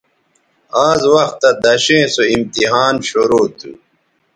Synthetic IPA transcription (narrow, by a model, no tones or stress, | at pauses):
aːzwɐxt̪ːɐd̪ɐɕẽːsoimt̪iɦaːnɕoɾoːt̪ʰṵ